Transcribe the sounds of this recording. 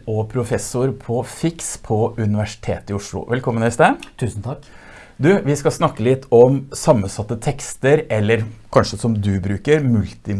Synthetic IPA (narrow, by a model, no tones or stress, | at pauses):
ɔpʰɾʊfɛsʊɾpʰɔfɪkspʰɔʉnɪʋæʂɪ̥t̪ʰḛːt̪ɪʊʂɭʊ̰ʋʔɛlkʰɔmːənhɪst̪eːt̪ʰʉːsn̩t̪ʰɑk | d̪ʉʋɪskɑsnɑkːəlɪt̪ːɔmsɑmːənsɑt̪ːət̪ʰɛkst̪əɾɛlːəɾkʰɑnʂəsɔmd̪ʉbɾʉːkəɾmʉlt̪ɪ